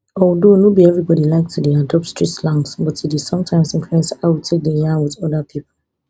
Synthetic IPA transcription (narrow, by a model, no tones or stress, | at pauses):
ɔdonobiɛvɹibɔdilaɪk̚tʰudeadɔp̚tstɹ̥itslãŋsbɔtidi̥sɔ̃mtʰãɪ̃msĩɱfluɛ̃nsaɪwitʰek̚dəjãnwɪðɔdəpʰipʰə